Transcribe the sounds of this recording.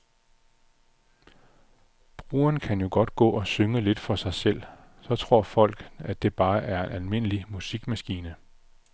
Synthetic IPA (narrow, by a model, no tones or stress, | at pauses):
b̥ʁṵːɐnkʰænjo̝ɡ̥ɒ̽d̥ɡ̥ɔ̰̽ːɒ̽søŋəle̝d̥fɒ̽sɑ̈ɪsel̰ | sɒ̽t͡sʰʁo̝ɐ̰fɒ̽l̰ɡ̥æd̥e̝b̥ɑ̈ːʔæɐe̝nælme̝n̰əlimusiɡ̥mæsɡ̥iːnə